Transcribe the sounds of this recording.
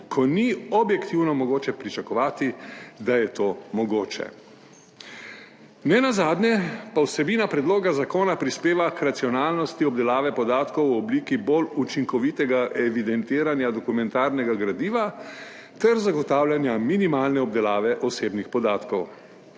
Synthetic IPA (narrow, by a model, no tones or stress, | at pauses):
kʰɔniɔbjɛkt̪iwnɔmɔɡoːt͡ʃɛpɾit͡ʃakɔʋaːt̪id̪ajɛt̪oːmɔɡoːt͡ʃɛ̰ | nɛnazaːd̪nʲjɛpawsɛbiːnapɾɛd̪loːɡazakoːnapɾispeːʋakɾat̪siɔnaːlnɔst̪iɔbd̪ɛlaːʋɛpɔd̪aːt̪kɔwɔbliːkibolut͡ʃiŋkɔʋiːt̪ɛɡaʔɛʋid̪ɛnt̪eːɾanjad̪ɔkumɛnt̪aːɾnɛɡaɡɾad̪iːʋa | t̪ɛɾzaɡɔt̪aːwlanjaminimaːlnɛɔb̚d̪ɛlaːʋɛʔɔseːbnixpɔd̪aːt̪kɔw